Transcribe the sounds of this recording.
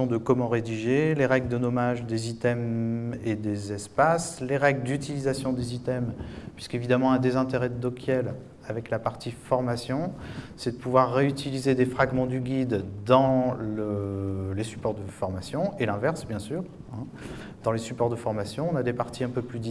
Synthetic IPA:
ɔ̃d̪əkɔmɑ̃ʁed̪iʒeleʁɛɡləd̪ənɔmaʒd̪ezit̪ɛmed̪ezɛspasleʁɛɡləd̪yt̪ilizasjɔ̃d̪ezit̪ɛmpɥiskevid̪amɑ̃ɛ̃d̪ezɛ̃t̪eʁɛd̪d̪ɔkʰʲjɛl | avɛklapaʁt̪ifɔʁmasjɔ̃sɛd̪əpuvwaʁːeyt̪ilized̪efχaɡmɑ̃d̪yɡʲid̪d̪ɑ̃ləlesy̥pɔʁd̪əfɔʁmasjɔ̃elɛ̃vɛʁsbjɛ̃syːʁ | ɛ̃ | d̪̥ɑ̃lesypɔʁd̪əfɔʁmasjɔ̃ɔ̃nad̪epaʁt̪iɛ̃pøplyd̪

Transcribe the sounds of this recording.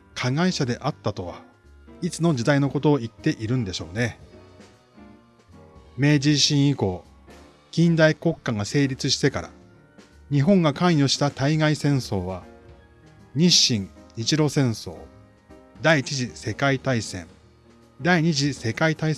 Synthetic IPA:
kʰaɡaiɕad̪e̞ʔat̪ːat̪o̞βa | it͡sɨno̞d͡ʑid̪aino̞ko̞t̪o̞ːit̪ːe̞ʔiɾɯ̟̃nd̪e̞ɕo̞ːne̞ | me̞ːd͡ʑiɕĩɰ̃iko̞ː | ɡ̥ʲĩnd̪aiko̞kːãŋɡase̞ːɾʲit͡sɨɕi̥t̪e̞kaɾa̰ | ɲ̟iɦõ̞ŋɡakãɰ̃jo̞ɕi̥t̪at̪aiɡaisẽ̞ɰ̃so̞ːβa | ɲ̟iɕĩŋɲit͡ɕiɾo̞ːsẽ̞ɰ̃so̞̰ː | d̪aiːt͡ɕiʑise̞kait̪aisẽ̞̰ɴ | d̪aiɲ̟iʑise̞kait̪ai

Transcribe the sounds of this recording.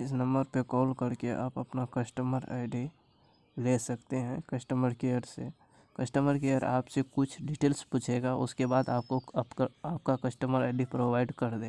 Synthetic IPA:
ɪs̬nə̃mbəɾpekɔːlkəɾkeʔa̰ːpə̰pnakəsʈəməɾa̰ɪɖi | lesəkt̪eɦɛ̃kəsʈəməɾkeəɾse | kəsʈəməɾkejəɾa̰ːpsekʊt͡ʃʰɖiʈeːlsput͡ʃʰeɡaʔʊ̰skebaːd̪aːp̚koaːp̚kakəsʈəməɾaɪɖipɾoːʋaːɪɖkəɾd̪ẽː

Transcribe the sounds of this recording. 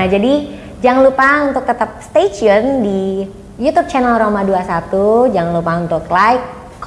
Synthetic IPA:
ad͡ʒadi | d͡ʒaŋlupaunt̪ʊk̚t̪ət̪ap̚st̪et͡ʃiɔndi | jut̪ub̚t͡ʃanalromaduasat̪ud͡ʒaŋlupaunt̪ʊklajkː

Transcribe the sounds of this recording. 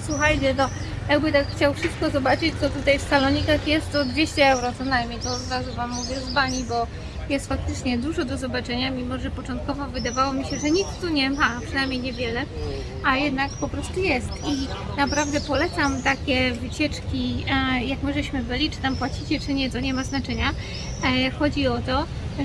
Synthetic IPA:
swuxajt͡ɕɛt̪ɔ | jaɡbɘt̪akxt͡ɕawfʂɘst̪̚kɔzɔbat͡ʂɘt͡ɕt̪ɔt̪ut̪ajfsalɔɲikaxjɛst̪ɔd̪vʲjeɕt͡ɕɛɛwɾɔt̪sɔnajmʲɲejt̪ɔd̪ɾazuvamːuvʲjɛzbaɲibɔ | jɛst̪fak̚t̪ɘt͡ʂɲɛd̪wuʐɔd̪ɔzɔbat͡ʂɛɲamʲimɔʐɛpɔt͡ʂɔnt̪̚kɔvɔvɘd̪avawɔmʲiɕɛʐɛɲikst̪ːuɲɛmapʂɨnajmʲjejɲɛvʲjɛlɛ | ajɛd̪nakpɔpɾɔst̪ujɛst̪i | napɾavd̪ɛpɔlɛt̪samt̪akʲɛvɘt͡ɕɛt͡ʂkʲijakmɘʐɛɕmɘbɘlʲit͡ʂɘ̥t̪ampwat͡ɕit͡ɕɛt͡ʂɘɲɛt̪ɔɲɛmaznat͡ʂɛɲa | xɔd͡ʑiɔt̪ɔ

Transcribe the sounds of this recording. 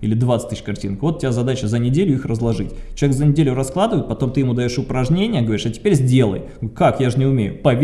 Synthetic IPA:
ilʲɪd̪vat̪sɨ̥t̪ɨɕʲkɐrtʲḭnkvo̞t̪ːtʲɪbʲazɐd̪at͡ɕəzənʲɪdʲelʲʊixrəzlˠɐʐɨtʲt͡ɕʲɪlˠʲekzənʲɪdʲelʲʊɾɐsklˠad̪ɨvəjɪt̪̚pɐt̪o̞mt̪ɨjɪmud̪ɐjoʂʊpɾɐʐnʲenʲɪjəɡəvɐɾʲi̥ʂɐtʲɪ̥pʲeɾʲzʲdʲe̞lˠə̰j | kakjaʐɨnʲɪʊmʲejʊ̰pɐvʲ

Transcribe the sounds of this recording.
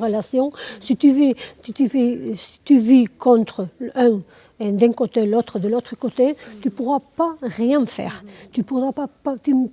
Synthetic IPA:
ʁəlasjɔ̃sit̪yvet̪t̪yvisi̥t̪yvikɔ̃nt̪χəɛ̃ | ed̪ɛ̃ŋkot̪elot̪χəd̪əlot̪χəkot̪et̪ypuʁwapaʁjɛ̃fɛ̰ʁt̪ypuʁapapat̪y

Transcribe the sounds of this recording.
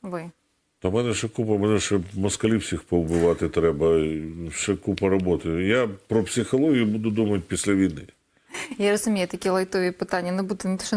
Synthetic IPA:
vɨ | t̪ɔmɛnɛʂɛkupɐmɛnɛʂɛmɐskɐlʲiwsʲixpɔwbɪʋɑt̪ɪt̪ɾɛbɐʃɛkupɐɾɔbɔt̪ɪjjapɾɔpsʲɪxɔlˠɔɦʲijʊbud̪ʊd̪umɐt̚ʲpʲisʲlʲɐʋʲijnɪ̰ | jaɾɐzʊmʲejʊt̪ɐkʲijlˠɐjt̪ɔʋʲiːpɨt̪anʲːjɐnɐbud̪ːɪnʲɪt̪oʃt̪

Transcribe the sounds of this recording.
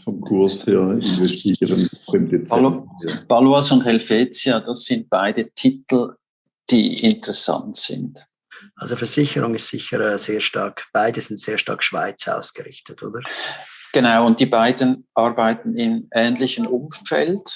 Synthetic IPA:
fɔmkʰʊɐsheːɐybɛʃtiəʁənɪmdet͡s | b̥ɑloasʊndhɛlfeːt͡siad̥asːɪnt̚b̥aɪdətʰitl̩ | d̥ḭːɪntəʁɛsa̰ntsɪ̰nt | ʔa̰lzofɛɐz̥ɪçəɾʊŋɪstsɪ̰çəɾɛːz̥eːɐʃtɑ̰ɐkb̥aɪdəzɪntz̥eːɐʃtɑ̰ːkʃv̥a̰ɪt͡sa̰ʊsɡ̥əɾɪçtətʰo̰ːdəɡ̥ənaʊʊnt̚d̥iːbaɪdənʔɑɾbaɪtn̩ɪnʔɛːntlɪçənʔʊmfɛ̰lt

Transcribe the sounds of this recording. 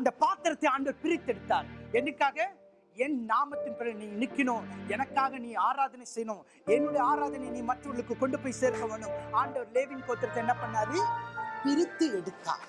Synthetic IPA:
ɐnd̪ɐpaːɾt̪ɪɾɐt̪ːɐɪaːɳɖɐʋɐɾpɪɾɪt̪ːɛɽɯt̪ːaːɾɛnɯkːaːɣɐ | ɛnnaːmɐt̪ːɪnpɛlɐniːnɪkːɪɳõːɛnɐkːaːɣɐniːaːɾaːðɐnɐɪsɛjːɐnõː | ɛnːɯɽɐaːɾaːðɐnɐɪniːmɐʈrɐɐɭɯkːɯkɔɳɖɯpoːjseːɾɣɐʋeːnɯmaːɳɖɐʋɾleːʋɪnpoːɾt̪ɪɾɐt̪ːɐɪɛnːɐpɐɳːaːliːpɪɾɪt̪ːɯɛɽɯt̪ːa̰ː

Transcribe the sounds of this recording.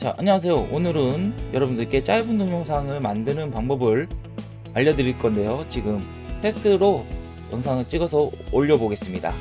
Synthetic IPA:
t͡ɕa̰ʔaɲʌwas̬ʰe̞joʔonɯɾɯnjʌɾʌbundɯɭk͈e̞t͡ɕ͈aibɯndoŋjoŋsʰaŋɯɭmandɯnɯnpaŋbʌbɯɭ | aʎːʌdɯɾiɭk͈ʌnde̞jot͡ɕiɡɯm | tʰe̞sʰtʰɯɾo | jʌŋsʰaŋɯɭt͡ɕ͈iɡʌsʰʌoʎːʌboɡe̞s͈ɯmɲida̰

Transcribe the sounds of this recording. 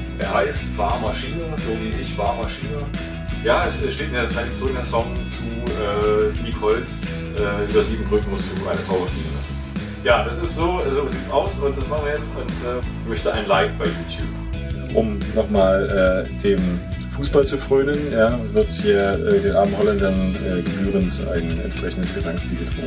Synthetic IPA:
ʔeːɐhaɪstv̥a̰ːɐmaʃiːnəzoːviːʔɪçv̥aːɐmaʃiːnə | jaːɛsʔɛʃteːt̚meɐkʰaɪnɪçt͡sʊʁɪkŋɛsɔŋt͡su | ʔɛːiːkhɔlt͡s | ʔɛːʔyːbɐziːbm̩bʁʏkŋ̩mʊst̚d̥uːʔa̰ɪnətʰaʊbəʃpiːənlasn̩ | jaːd̥asɪstz̥oːzoːziːtsʔaʊsʊnt̚d̥asmaχn̩viːɐjɛt͡stʊntʔɛː | mœçtəʔaɪnlaɪkb̥aɪjuːtʰjuːp | ʔʊmnɔχmaːlʔɛːd̥eːm | fuːsb̥alt͡sufʁ̥øːnənjeaːɐvɪɐthiːɐʔɛdeːnʔaːbm̩hɔlandɐnʔɛːɡəbyːʁəntʔa̰ɪŋəɛ̰ntʃpʁ̥ɛçn̩dəsɡ̥əzaŋsb̥iːɡətʁ̥iːb

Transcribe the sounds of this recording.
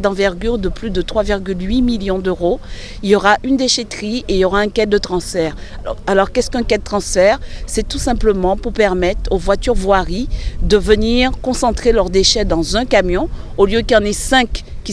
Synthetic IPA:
d̪ɑ̃vɛʁɡʲyʁd̪əplyd̪ət̪χwaviʁɡʲylɥimiljɔ̃d̪øʁo | iljɔʁaʔynd̪eʃet̪χiʔeijɔʁaɛ̃kɛd̪̚d̪ːət̪χɑ̃sfɛʁ | alɔʁkɛskɛ̃kɛd̪̚ət̪χɑ̃sfɛʁsɛt̪usɛ̃pləmɑ̃puʁpɛʁmɛt̪χovwat̪yʁvwaʁid̪əvəniʁkɔ̃sɑ̃t̪χelœʁd̪eʃɛd̪ɑ̃zɛ̃kamjɔ̃ | oljøkjɑ̃nesɛ̃kːʲ | i

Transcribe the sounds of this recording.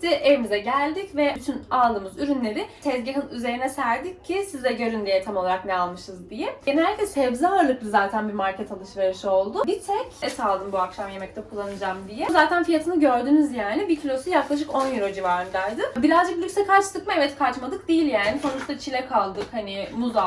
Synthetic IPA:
t̪ɛʔevimizɛɟælʲd̪icvɛyt̪ʰynaːlˠd̪ɯːmɯzyɾynlʲe̞ɾɪsɛzɟeɦɯnyze̞ɾinɛsæɾd̪icʰːisizd̪ɛɟø̞ɾynd̪ijɛt̪ʰamo̞lˠaɾaknɛalˠmɯʃɯzd̪ijɛenilhælʲːicʰɛshɛvzaɾlˠɯklˠɯzaːt̪ʰænbiɾmaɾcʰɛt̪ʰalˠɯʃveɾɯʃɯo̞lˠd̪ʊbit̪ʰɛcɛsalˠd̪ɯmbuakʃamjemɛc̚t̪ʰɛkʰulˠːanɯd͡ʒamd̪ijɛzaːt̪ʰænfijat̪ʰɯnɯɟø̞ɾd̪yːnyzjaːnibicʰilʲo̞sujaklˠaʃ̬ɯko̞njyɾo̞d͡ʒivaɾɯnd̪ajd̪ɯbiɾazd͡ʒɯk̚bilʲisɛkʰat͡ʃt̪ʰɯkmaɛvɛt̪kʰat͡ʃmad̪ɯk̚d̪ejilʲjaːniso̞nut͡ʃt̪at͡ʃʰilʲɛkʰalˠd̪ɯkhanimuza

